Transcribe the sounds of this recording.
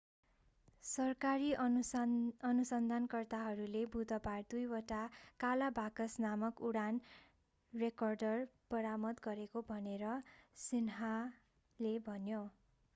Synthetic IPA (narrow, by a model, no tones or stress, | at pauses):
sʌrkaɾi | ʌnusʌnd̪ʱankʌrt̪aɦʌɾulebʱud̪ʱʌpard̪ujwʌʈakalabʱakʌsnamʌkuɽan | rekʌrɖʌrb̥ʌɾamʌd̪ɡʌɾekobʱʌneɾʌsinɦa | lebʱʌnjo